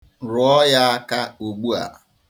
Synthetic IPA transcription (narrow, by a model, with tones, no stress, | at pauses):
ɾʊ˨ɔ˦ja˦ka˦o˨ɡ͡bu˦a̰˨